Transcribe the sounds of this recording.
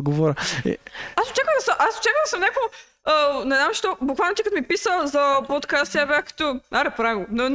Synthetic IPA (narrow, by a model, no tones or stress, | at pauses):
ɡovɔɾʲəḭasot͡ʃakvəd̪ɐsəmʔaso̥t͡ʃakvəd̪səmnʲakoɡʊ | ənɛznamʃt̪ɔbʊkvalˠnot̪ikət̪omipisəlˠzɐpot̪kast̪jabɛkə̥t̪ɔnaɾɛpɾavimɡonɛn